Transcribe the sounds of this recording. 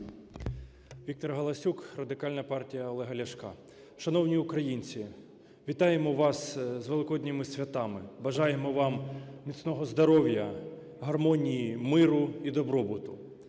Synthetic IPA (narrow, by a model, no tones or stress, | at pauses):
ʋʲik̚t̪ɔrɦɐlˠɐsʲukrɐd̪ɪkɑlʲnɐpɑrtʲijɐɔlˠɛɦɐlʲɐʃkɑ̰ | ʃɐnɔwnʲiʊkɾɐjinʲt͡sʲi | ʋʲit̪ɑjemɔʋɑszʋelˠɪkɔd̪ʲnʲɪmɪsʲʋʲɐt̪ɑmɪbɐʒɑjemɔʋɑmmʲit̪snɔɦɔzd̪ɔɾɔʋʲjɐ | ɦɐrmɔnʲijimɪɾʊid̪ɔbɾɔbʊt̪ʊ